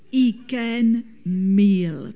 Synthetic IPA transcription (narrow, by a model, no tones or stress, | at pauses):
ikɛn | miːl